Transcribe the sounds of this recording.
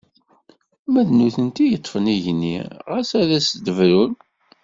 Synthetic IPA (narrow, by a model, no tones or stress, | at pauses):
mæðnuθənt̪ijət̪ˤːfəniʝnːḭʁæsæðæsd̪əvɾul